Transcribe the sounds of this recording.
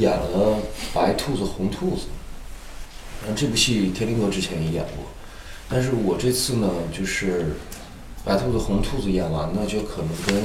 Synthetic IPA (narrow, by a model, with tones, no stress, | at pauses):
ja˨˩ŋlə˦pa˧˥ɪt̪ʰu˥˩d͡z̩˩xʊ˧˥ŋt̪ʰu˥˩d͡zɹ̩˨˩ | a˥˩ʈ͡ʂe˥˩pu˧˥t͡ɕʰi˥˧t̪ʰjɛ˥li˧˥ŋlwɔ˥˧ʈ͡ʂɻ̩˥t͡ɕʰjɛ˧˥njɛ˧˥ja̰˨˩ŋɔ̰˧˩˦ | t̪a˥˧nʂ̬ɻ̩˥˩wɔ˨˩ʈ͡ʂɤ˥˧t͡sʰɹ̩˥˩nə˩t͡ɕjo˥˧ʊʂɻ̩˥˩ | pa˧˥ɪt̪ʰu˥˩ə˩xʊ˧˥ŋt̪ʰu˥˩d͡zɹ̩˩ja˨˩nwa̰˧˥nə˧t͡ɕjo˥˩ʊkʰɤ˨˩nɤ˧˥ŋkə˥n